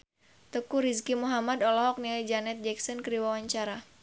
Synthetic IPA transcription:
t̪əkuɾiskimuɦamad̪ɔlɔɦɔk̚nild͡ʒanɛt̪̚d͡ʒɛksɔnkəɾiwawaɲt͡ʃaɾa

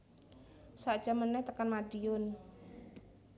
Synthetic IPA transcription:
saʔd̥ʒ̥a̤mənɛht̪əkanmaɖiʊn

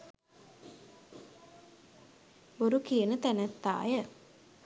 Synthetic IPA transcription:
oɾukijənət̪ænæt̪ːa̰ːjə

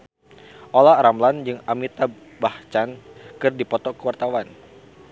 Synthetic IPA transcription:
ʔolaɾamland͡ʒɨŋamit̪a | baht͡ʃankɨrdipɔt̪ɔkəwart̪awan

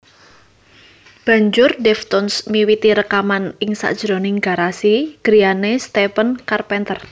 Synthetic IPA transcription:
b̥ä̤ɲd͡ʒʊrdɛft̪ɔnsmiwit̪iɾəkamanɪŋsa̰ʔd̥ʒ̥ɾɔnɪŋɡa̤ɾasiɡ̥ɾianest̪ɛpənkarpɛnt̪ər

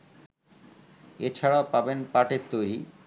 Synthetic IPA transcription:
et͡ɕʰaɽaopabenpaʈeɾt̪ojɾi

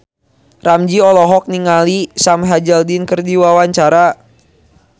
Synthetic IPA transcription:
ramd͡ʒiɔlɔɦɔk̚niŋalisamɦad͡ʒaldinkɨrdiwawaɲt͡ʃaɾa

